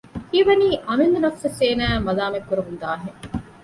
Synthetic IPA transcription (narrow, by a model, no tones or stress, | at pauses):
hiːʋɐniːʔɐmind̪unɐfsɐseːnæːmɐlaːmekːuɾuɦund̪aːɦeŋ